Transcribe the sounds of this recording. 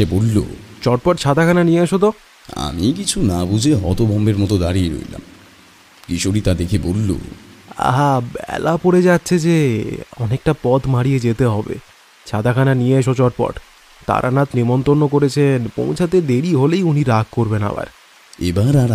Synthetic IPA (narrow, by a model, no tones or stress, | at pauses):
ebolːo̰t͡ɕɔʈ̚pɔʈt͡ɕʰad̪ʱakʰananijeaʃot̪̬o | a̰mikit͡ɕʰunabud͡ʑʱeɦɔ̰t̪obʱɔmbeɾmɔt̪od̪aɾieɾo̰jla̰m | kiʃʰoʈit̪ad̪ekʰebolːo̰a̰ɦabɛ̰lapoɽed͡ʑatːɕʰed͡ʑeɔnek̚ʈapɔt̪maɽijed͡ʑet̪eɦɔbḛ | t͡ɕʰad̪ʱakʰananijeaʃot͡ɕɔʈ̚pɔ̰ʈ | t̪a̰ɾʔa̰nat̪nimont̪ɾonːokoɾet͡ɕʰenpɔ̰̃w̃t͡ɕʰat̪ed̪eɾiɦolejuniɾaɡ̚koɾbena̰ba̰ɾ | ebaɾaɾ